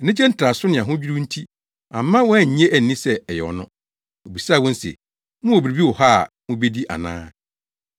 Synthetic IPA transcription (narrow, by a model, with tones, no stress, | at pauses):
nɪ̃˦t͡ɕʰɛ˦n̩˦tʰɾa˨sʊ˦nɪ̃˨ã˨ɦʊ̃˦d͡ʑᶣi˦ɾu˦n̩˦tʰi˦ | ã˨mː˦ã˦wɔ˦˨ɲ̩˨ɲɛ̃˦ʔæ˨n˨nĩ˦sɛ˦ɛ˨jɛ˨ɔ̰˨nʊ̃˦ | o˨bi˨saː˦˨wɔ̃˦n̩˦sḛ˨ | mʊ̃˦o˨bi˨ɾi˨bi˦wɔ˨ha˦˨ | mʊ̃˦be˦di˦ʔa̰˨nã̰ː˦